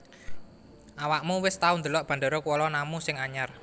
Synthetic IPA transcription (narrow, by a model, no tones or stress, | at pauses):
ʔawaʔmuwɪst̪aund̪ə̤lɔʔb̥ä̤nd̪əɾɔkuwɔlɔnamusɪŋaɲar